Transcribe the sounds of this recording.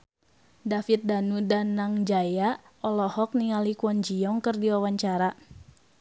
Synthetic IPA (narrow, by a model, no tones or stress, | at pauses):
dafit̪̚danudanːaŋd͡ʒaja | ɔlɔhɔk̚niŋalikuɔnd͡ʒiɔŋkɨrdiwawaɲt͡ʃaɾa